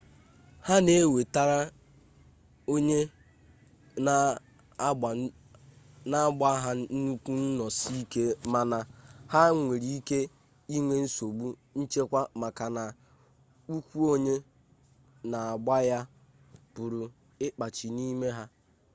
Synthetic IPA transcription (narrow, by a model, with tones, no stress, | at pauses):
ha˦ne˦we˨ta˦ɾa˦ | o˦ɲe˦˨ | na˦ɡ͡ba˦ɦa˦n̩˦nu˦kʷu˦n̩˦nɔ˨si˦i˦ke˦ma˦na˦ha˦ŋʷe˨ɾi˦i˦ke˦ | i˦ŋʷe˦n̩˦so˨ɡ͡bu˦ | n̩˦t͡ʃe˦kʷa˦ma˨ka˨na˨ | u˦kʷu˦o˦ɲe˦ | na˨a˨ɡ͡ba˦ja˦ | b̥ʊ˨ɾʊ˨ | ɪ˦k͡pa˨t͡ʃi˨ni˦me˦ɦa˦